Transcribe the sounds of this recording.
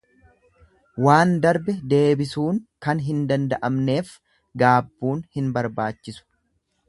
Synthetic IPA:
waːnd̪ɐɾbɛd̪e̞ːbɪsuːŋkɐnɦɪnd̪ɐnd̪ɐʔɐmne̞ːf | ɡaːbːuːnhɪnbɐɾbaːt͡ʃːɪsʊ̥

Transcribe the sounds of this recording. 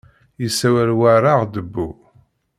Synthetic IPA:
jisːæwælwaɾaʁd̪əbːu

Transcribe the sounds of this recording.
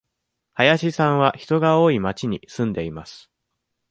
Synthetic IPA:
hajaɕisãɰ̃βaçi̥t̪o̞ɡao̞ːimat͡ɕiɲ̟ḭsɨ̃nd̪e̞imasɨ̥

